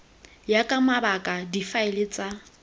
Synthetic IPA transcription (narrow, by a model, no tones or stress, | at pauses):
jakʼamabakʼadifaɪlɪt͡sʼa